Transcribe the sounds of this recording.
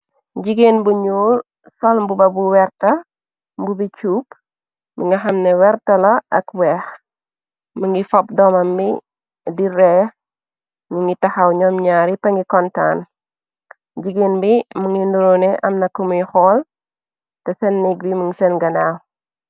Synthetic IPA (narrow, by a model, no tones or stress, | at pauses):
ɟiɡenbuɲuːl | sɔlmbubɐbuwɛrtɐ | mbubit͡ʃuːp | miŋɡɐxɐmnɛwɛɾtɐlɐɐ̰kwɛːx | muŋɡifɔp̚dɔmɐmbi | diɾɛː | miŋɡitɐhɐwɲɔmɲaːɾipɐŋɡikɔnta̰n | ɟiɡeːnbimuŋɡinduɾunɛʔɐmnɐkːumujxɔːl | tɛsɛnːiɡ̚bimuŋisɛnɡɐnaw